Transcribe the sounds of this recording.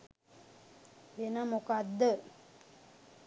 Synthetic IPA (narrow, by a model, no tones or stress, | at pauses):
ʋenəmukad̪ːə